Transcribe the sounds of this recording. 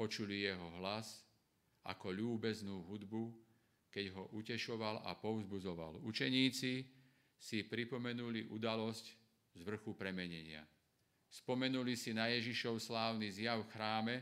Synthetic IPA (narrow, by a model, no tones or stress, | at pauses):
pɔt͡ʃulijɛɦɔɦlas | a̰kɔʎuːbɛznuːɦud̪bu | kɛɟɦɔʔucɛʃɔʋala̰pɔʊzbud͡zɔʋa̰lut͡ʃɛɲiːt͡si | sipɾipɔmɛnuliʔud̪alɔsc | zʋr̩xupɾɛmɛɲɛɲɪa̰ | spɔmɛnulisinajɛʒiʃɔʊslaːʊnizjafxɾaːmɛ